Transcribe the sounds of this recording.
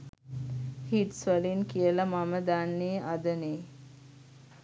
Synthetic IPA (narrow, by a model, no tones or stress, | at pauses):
hiʈsʋəlinkijəlamaməd̪anːeːʔad̪əneː